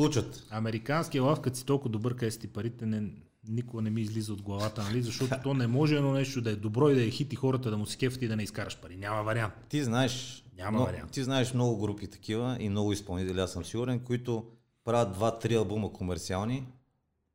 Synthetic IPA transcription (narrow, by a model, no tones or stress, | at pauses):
lˠut͡ʃət̪ɐmɛɾikanskijəlˠafkɐt̪si̥t̪ɔlˠkʊvəd̪ʊbɤɾkɛst̪ipɐɾit̪ɛnɛ | nikʊɡənɛmiːzlizəod̪̚ɡlˠɐvat̪ənɐlizɐʃt̪ɔt̪ot̪ɔnɛmɔʒɛɛd̪nɔnɛʃt̪od̪ɐɛd̪obɾɔid̪ɐjɐxit̪ixɔɾət̪əd̪ɐmʊsi̥kʲɛft̪id̪ɐnɛiskaɾɐʃpɐɾinʲamɐvɐɾiant̪t̪iznaɛʃnʲamɐɐɾia̰nt̪iznaɛʃmnɔɡʊɡɾupit̪ɐ̥kivəʔimnɔɡʊispɐlˠnit̪ɛlʲiasəmsiɡʊɾɛnkoit̪ʊ | pɾavʲəd̪̚d̪vat̪ɾiɐlˠbuməkʰomɛɾt̪sialˠni